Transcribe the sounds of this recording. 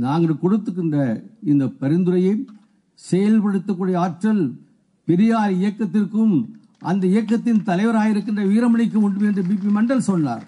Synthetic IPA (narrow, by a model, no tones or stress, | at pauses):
naːŋɡɐɭkɔɽɯt̪ːɯk̬ːɪndrɐɪnd̪ɐpɐɾɪnd̪ɯɾɐjɐ | sɛjɐlpɐɽɯt̪ːɐkːuːɽɐjɐaːʈɾɐl | pɪɾɪjaːlɪjɐkːɐt̪ːɪrkɯm | ʔɐnd̪ɐɪjɐkːɐt̪ːɪnt̪ɐlɐɪʋɐɾaːjɪɾɯkːɪndrɐʋiːɾɐmɐɳɪkːɯmʊɳɖɯmɛndrɯbiːp̬imɐɳɖɐlsɔnːa̰ːɾ